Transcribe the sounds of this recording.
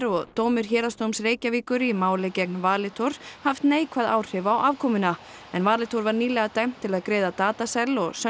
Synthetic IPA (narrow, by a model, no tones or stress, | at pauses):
ɾɔɣt̪oːwmɪɾ̥çɛːɾast̪owmsreːjcaviːkʏɾimaːwlecɛk̚nvaːlɪt̪ʰowɾ̥haft̪neːjkʰvaðaːwr̥ɪvawʔavkʰɔmʏna | ɛnvaːlɪt̪ʰowɾvaɾniːlɛɣat̪ajm̥t̪ʰɪlaðkɾeːðat̪aːt̪asɛlːɔɣsœ